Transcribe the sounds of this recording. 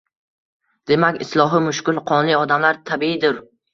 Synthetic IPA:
d̪̥e̞makʲɪslˠɒɦimʊʃkʲʊlˠqʰɒnlɪɒd̪amlaɾt̪ʰabiɪd̪ʊɾ

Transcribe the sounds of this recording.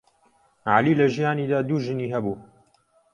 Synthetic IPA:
ʕa̰liːlɐʒijaːniːd̪aːd̪uːʒɨniːɦɐbuː

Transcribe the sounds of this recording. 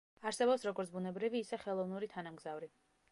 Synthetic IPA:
aɾsɛbɔpsɾɔɡɔɾt̪sʰbunɛbɾiviːsɛχɛlˠɔvnuɾit̪ʰanamɡzavɾi

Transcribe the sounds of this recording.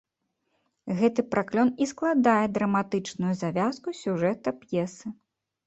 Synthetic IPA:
ɣɛt̪ɨpɾʔaklʲɔnisklˠad̪ajɛd̪ɾɐmat̪ɨt͡ʂnujuzavʲaskusʲuʐɛt̪ɐpjɛsɨ

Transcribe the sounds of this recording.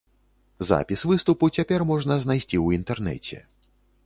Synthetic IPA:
za̰pʲisvɨst̪uput͡sʲapʲɛrmɔʐnɐznajsʲt͡sʲiwint̪ɛrnɛ̰t͡sʲɛ̰

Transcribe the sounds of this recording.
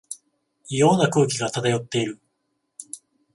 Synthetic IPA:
ijo̞ːnakɯ̟ːkʲiɡat̪at̪ajo̞t̪ːe̞iɾɯ̟

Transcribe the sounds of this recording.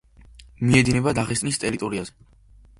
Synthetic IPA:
miɛd̪inɛbad̪aʁɛsʼnist̪ʼɛɾit̪ʼɔɾiazɛ

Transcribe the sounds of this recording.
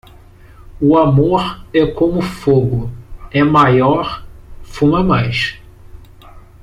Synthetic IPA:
ʊamoɾɛkõmʊfoɡʊɛmajɔɾfũmɐmajʃ

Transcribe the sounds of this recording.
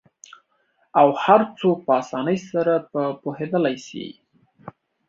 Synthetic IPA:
awhaɾt͡sopəɑsɑnəjsaɾapəpohed̪əlajʃḭ

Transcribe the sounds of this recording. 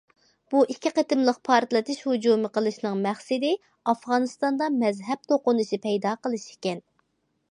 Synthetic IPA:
b̥uʔikʲʰːiqət̪ɨmlˠəq̚pʰɑɾt̪lˠɨt̪ʰɪʃhud͡ʒumɨqʰəlˠɨʃnɨŋmæχsɪd̪ɪ | ɑfʁɑnɨst̪ɑnd̪ɑmɛzɦɛb̚t̪ʰoqʊnɨʃipʰɛjd̪ɑqəlˠɨʃi̥kʲɛn

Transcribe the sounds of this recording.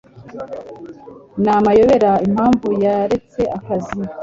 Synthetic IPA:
namajo̞βe̞ɾaimhaːɱvujaɾe̞t͡se̞ʔakazi

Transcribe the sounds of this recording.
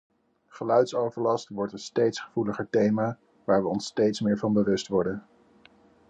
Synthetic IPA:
χəlœɥtsowvəɹlɑstʋɔɹtənstejtsχəv̥uləχəɹtejmaː | ʋaːɹʋəɔnstejtsmɪːɹvɑnbəʋɵstʋɔɹdən

